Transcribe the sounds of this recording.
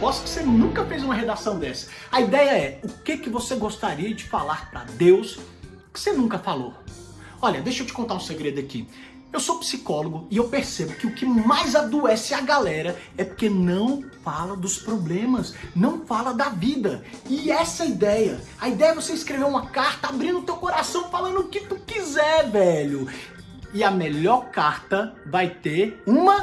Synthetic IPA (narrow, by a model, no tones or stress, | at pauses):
pɔsʊ̥kɪ̥senũkɐfejzũmɐɦed̪asɐ̃w̃d̪ɛsɐ̥ɐid̪ɛjɐɛʊkɪkɪvoseɡost̪aɾiɐd͡ʒɪfalaɾpɾɐ̰d̪ews | kɪ̥senũkɐfalo | ɔʎɐd̪ejʃewt͡ʃɪ̥kõnt̪aɾũseɡɾed̪ʊakḭ | ewsopsikɔloɡʊɪewpeɾsebʊkɪʊkɪmajzad̪uɛsɪaɡalɛɾɐɛpoɾkenɐ̃w̃falɐd̪ʊspɾoblẽmɐsnɐ̃w̃falɐd̪ɐvid̪ɐɪɛsɐid̪ɛjɐ | ɐid̪ɛjɐɛvoseiskɾeveɾũmɐkaɾt̪ɐabɾĩnd̪ʊt̪ewkoɾasɐ̃w̃falɐ̃nd̪ʊʊkɪt̪ukizɛɾvɛʎʊ | ɪɐmeʎɔɾkaɾt̪ɐvajt̪eɾũmɐ